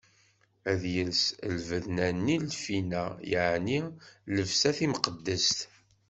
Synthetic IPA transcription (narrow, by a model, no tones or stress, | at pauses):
æðjəlsəlvəðnænilfinæjəʕniləvsæθimqəd̪ːəst̪